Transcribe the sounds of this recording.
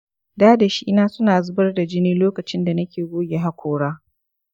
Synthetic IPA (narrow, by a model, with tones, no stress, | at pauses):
daː˦da˨ʃi˦ʔɪ˦naː˦sʊ˦naː˨zʊ˦bɐ˦rda˨d͡ʒɪ˦niː˦loː˦kɐ˨t͡ʃɪ˦nda˨nɐ˦kʲeː˨ɡʷoː˦ɡʲe˨ɦa˦kʷoː˨ɽaː˦